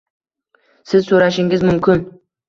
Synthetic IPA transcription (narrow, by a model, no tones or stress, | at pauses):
sɪzsoɾaʃɪŋɪzmʊmkʲʰɪn